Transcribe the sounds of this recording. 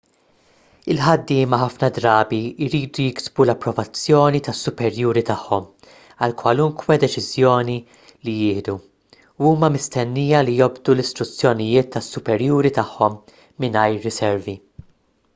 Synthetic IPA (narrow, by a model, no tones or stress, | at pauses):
ɪlħɐd̪ːɪːmɐħɐfnɐd̪ɾɐːbiɪɾiːd̪ujɪksbulɐpːɾɔvɐt͡sːjɔːnit̪ɐsːʊpɛɾjuːɾit̪ɐħːɔm | ɐlkwɐlʊŋkwɛd̪ɛt͡ʃɪzjɔːni | lijɪːhd̪u | uːmɐmɪst̪ɛnːiːjɐlijɔbd̪ulɪst̪ɾʊt͡sːjɔnɪjɪːt̪ːɐsːʊpɛɾjuːɾit̪ɐħːɔmː | ɪnɐjɾːɪsɛɾvi